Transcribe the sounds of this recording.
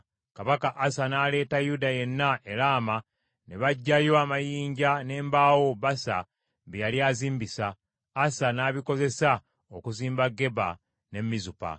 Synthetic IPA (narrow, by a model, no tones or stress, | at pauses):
kaβakaʔːsanaːle̞ːtajudaje̞nːaʔe̞ɾama | neβaɟːajo̞amajiːɲɟane̞ːmbaːwo̞βasa̰ | βejaliaːziːmbisaː | sanaːβiko̞ze̞sa | okuziːmbaɡːe̞βa̰ | ne̞mːizupa̰